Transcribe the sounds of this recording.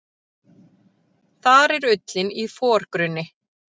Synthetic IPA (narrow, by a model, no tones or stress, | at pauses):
θaɾɛɾʏt̪lɪnifɔːɾ̥kɾʏnːɪ